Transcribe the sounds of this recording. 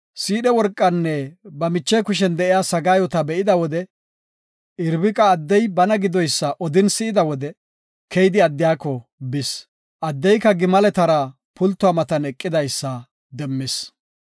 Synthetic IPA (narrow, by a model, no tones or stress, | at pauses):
siːɗɛwɔɾkʼːɐnːɛbɐmɪt͡ʃːɛkʊʃ̬ɛnd̪ɛʔɪjaːsɐɡaːjɔt̪ɐbɛʔɪd̪ɐwɔd̪ɛ | ɪɾbɪkʼɐːd̪ːɛjbɐnɐɡɪd̪ɔjsːɐʔɔd̪ɪnsɪʔɪd̪ɐwɔd̪ɛ | kʰɛjd̪ɪɐd̪ːɪjaːkːɔbɪs | ʔɐd̪ːɛjkːɐɡɪmɐlɛt̪ɐɾɐ | pʊlt̪ːʊaːmɐt̪ɐnɛkʼːɪd̪ɐjsːɐ | d̪ɛmːɪs